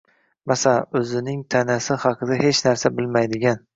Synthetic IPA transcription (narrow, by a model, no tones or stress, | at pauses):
masaɵzɪnɪŋt̪ʰanasɪhɑqʰɨd̪ahe̞t͡ʃnaɾsabɪlmajd̪ɪɡʲan